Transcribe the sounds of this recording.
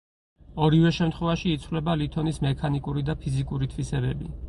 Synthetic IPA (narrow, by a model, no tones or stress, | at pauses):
ɔɾivɛʃɛmt̪χwɛvaʃiːt̪sʰvlɛbalit̪ʰɔnismɛkʰanikʼuɾid̪apʰizikʼuɾit̪ʰvisɛbɛ̰bḭ